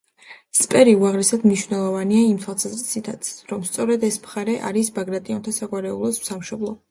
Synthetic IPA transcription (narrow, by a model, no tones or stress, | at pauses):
spʼɛɾiuaʁlɛsad̪mniʃwvnɛlˠɔvaniaimt̪ʰwalˠsʰazɾisit̪ʰat̪sʰɾɔmst̪sʼɔɾɛd̪ɛsmχaɾɛʔa̰ɾisbaɡɾat̪ʼiɔnt̪ʰasaɡwaɾɛulˠɔsmsamʃɔblˠɔ